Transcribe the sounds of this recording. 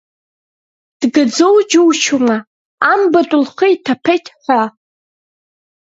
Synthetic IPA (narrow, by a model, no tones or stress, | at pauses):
d̥ɡad͡zowd͡ʒuwt͡ʃʰuma | ambatʼʊlχəitʰapʰejtʰħʷa